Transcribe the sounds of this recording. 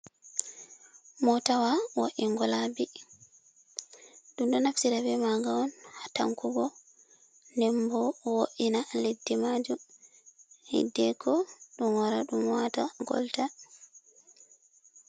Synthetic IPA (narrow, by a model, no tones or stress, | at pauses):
mɔtawawoʔiŋɡɔlabi | ɗunɗɔnafsiɾabɛmaɡawɔnhata̰ŋkuɡɔ | ndɛmbɔwoʔinaledːimad͡ʒum | hḭdːɛkʰɔɗumwaɾaɗumwataɡɔ̰lta